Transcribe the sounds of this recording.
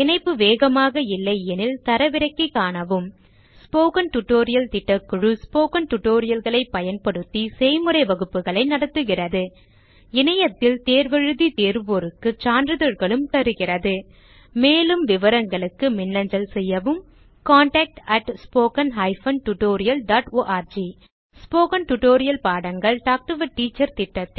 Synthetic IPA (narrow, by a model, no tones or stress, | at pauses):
ɪnɐɪpːɯʋeːɣɐmaːɣɐɪlːɐɪɛnɪlt̪ɐɾɐʋɪɾɐɪkːɐɪkːaːnɐʋɯm | spoːkɐnʈʊʈːoːɾɪjɐlt̪ɪʈːɐkːɯɻɯspoːkɐnʈʊʈːoːɾɪjɐlɣɐɭɐɪpːɐjɐnpɐɽɯt̪ːisɛɪmɯɾɐɪʋɐɣɯpːɯɣɐɭɐɪnɐɽɐt̪ːɯɣɪrɐðɯ | ɪnɐjɐt̪ːɪlt̪eːɾʋɐɻɯðit̪eːɾʋoːɾɯkːɯt͡ʃaːndɾɯðɐɾɣɐɭɯmt̪ɐɾɯɣɪrɐðɯ | meːlɯmʋɪʋɐɾɐŋɡɐɭɯkːɯmɪnːɐɲd͡ʒɐlsɛjːɐʋɯm | kaːɳʈɐːk̚ʈɐʈspoːkɐnɦɐɪfɐnʈʊʈoːɾɪjɐlɖaːʈoːʔaːɾd͡ʒi | spoːkɐnʈʊʈoːɾɪjɐlpaːɽɐŋɡɐɭʈaːk̚ʈɯʋɐʈːiːt͡ʃːɐɾt̪ɪʈːɐt̪ːɪ